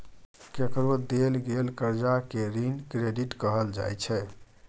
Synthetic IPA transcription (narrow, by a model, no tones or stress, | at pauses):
kekɾod̪elɡelkəɾd͡ʒakeɾinkɾeɖiʈkəɦəld͡ʒa̰jt͡ʃʰɛ